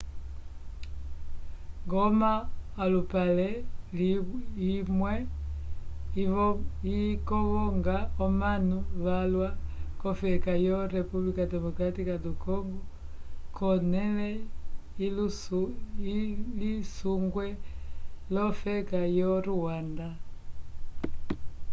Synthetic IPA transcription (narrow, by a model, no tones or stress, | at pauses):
ŋɡɔmaːlupalɛ | imwɛ | ikɔɣɔŋɡaɔmanuβalwakɔfɛkajɔɾɛpublikadɛmɔkɾatikadukɔŋɡɔ | kʰɔnɛlɛilu | lisuŋɡwɛ | lɔfɛkajɔɾuwanda